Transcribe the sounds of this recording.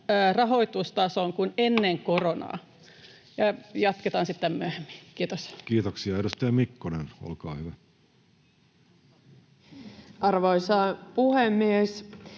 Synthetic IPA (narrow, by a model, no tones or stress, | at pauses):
rɑɦo̞it̪ust̪ɑsoŋkunenːeŋko̞ronɑ̰ː | jɑjɑt̪ket̪ɑːnsit̪ːemmyøhemːi̥kiːt̪oskiːt̪oksiɑeɾust̪ɑjɑmikːoneno̰lkɑ̰ːhyʋæ | ɑrʋoisɑpuhemːies